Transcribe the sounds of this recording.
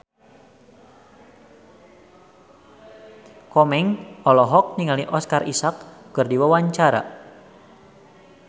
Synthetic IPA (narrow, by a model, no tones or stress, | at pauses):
kɔmɛŋɔlɔɦɔk̚niŋaliʔɔskarisakːɨrdiwawaɲt͡ʃaɾa̰